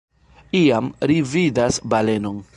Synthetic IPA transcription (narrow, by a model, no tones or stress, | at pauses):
iamɾividasbale̞no̞n